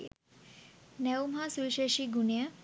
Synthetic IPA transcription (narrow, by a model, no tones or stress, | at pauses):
nɛwmɦasulʃeʃiɡunejə